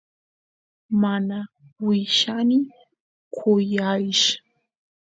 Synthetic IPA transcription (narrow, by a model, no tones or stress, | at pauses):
mana | wiʃanɪ | kʷʰojaʃḁ